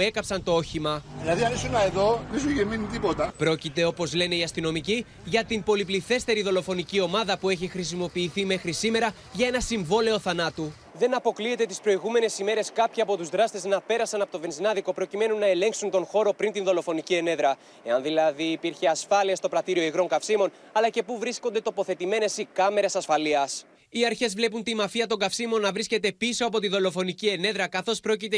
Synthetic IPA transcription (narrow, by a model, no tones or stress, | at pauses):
e̞kɐpsɐnt̪o̞o̞çimɐðilɐðiɐnesunɐeðo̞ðesuʝeminit̪ipo̞t̪ɐpɾo̞cit̪e̞o̞po̞zle̞ne̞iɐst̪ino̞mici | ʝɐt̪impo̞lipliθe̞st̪e̞ɾiðo̞lo̞fo̞nicio̞mɐðɐpue̞çixɾis̬imo̞piːθime̞xɾisime̞ɾɐ | ʝɐe̞nɐsiɱvo̞le̞o̞θɐnɐt̪u | ðe̞nɐpo̞klie̞t̪e̞t̪ispɾo̞iɣume̞ne̞sime̞ɾe̞skɐpçiɐpo̞t̪uzðɾɐst̪e̞znɐpe̞ɾɐsɐnɐpo̞t̪ovenzinɐðiko̞pɾo̞cime̞nunːɐe̞le̞ŋksunt̪o̞nxo̞ɾo̞pɾint̪inðo̞lo̞fo̞nicie̞ne̞ðɾɐ | e̞ɐnðilɐðiːpiɾçe̞ɐsfɐliɐst̪o̞pɾɐt̪iɾio̞iɣɾo̞ŋkɐfsimo̞n | ɐlɐce̞puvɾiskond̪e̞t̪o̞po̞θe̞t̪ime̞ne̞sikɐme̞ɾesɐsfɐliɐs | iɐɾçe̞zvle̞punt̪imɐfiɐt̪o̞ŋɡɐfsimo̞nːɐvɾisce̞t̪e̞piso̞ɐpo̞t̪iðo̞lo̞fo̞nicie̞ne̞ðɾɐkɐθo̞spɾo̞cit̪e